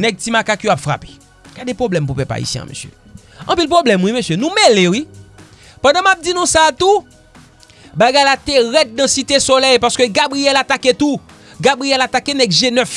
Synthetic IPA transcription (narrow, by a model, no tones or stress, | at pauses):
nɛɡ̚timakakjoapfʁa̰pe̥ | ɡ̥adepʁoblɛmpupɛpa̰ḭsjɛ̰̃a̰mø̰sjø̰ | ɐ̰̃pilpʁoblɛmwimøsjønũmelewi | pɐ̃dãmap̚d͡zinũsat̪u | baɡajlat̪eɣɛt̪̚nɐ̃sit̪esolɛjpaʁskøɡabɣijɛlat̪aket̪u | ɡabʁijɛlat̪akenɛɡʒenœf